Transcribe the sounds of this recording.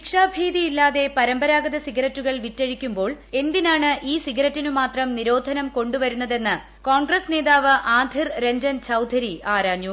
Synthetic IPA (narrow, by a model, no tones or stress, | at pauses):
ikʂaːbʱiːðijilːaːðe̞pɐɾɐmbɐɾaːɡɐðɐsiɡɐɾɐtːuɣɐɭʋitːeɻikʲːumbo̞ːɭe̞nd̪inaːɳɨʔiːsiɡɐɾɐtːinumaːt̪rɐmniɾo̞ːd̪ʱɐnɐmko̞ɳɖuʋɐɾunːɐðe̞nːɨ | koːɳɡrɐsne̞ːðaːʋɨʔaːd̪ʱirɾe̞ɲd͡ʑɐnt͡ɕʰɐwd̪ʱɐɾiaːɾaːɲju